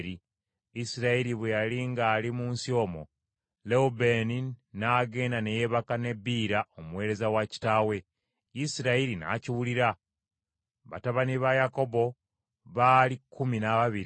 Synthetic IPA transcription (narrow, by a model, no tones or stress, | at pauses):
ɾi | isiɾaiɾiβwejaliŋɡaːlimuːnsio̞ːmo̞ | leubeninaːɡe̞ːnane̞je̞βakane̞bːiːɾaomuwe̞ːɾe̞zawaci̥taːwe̞ | isiɾaiɾina̰ːciwuliɾa | βa̰taβaniβajako̞bo̞ | βaːlikʰːuminaβaβiɾ